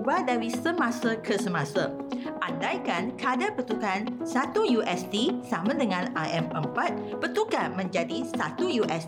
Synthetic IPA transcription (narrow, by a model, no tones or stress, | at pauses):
badaɾisəmãsakʰəsəmãsaʔandajkankəadapət̪ukansat̪ujuʔɛst̪isamãdəŋãna̰ʔɛməmpat̪̚pət̪ukamə̃ɲd͡ʒadisat̪ujuʔɛs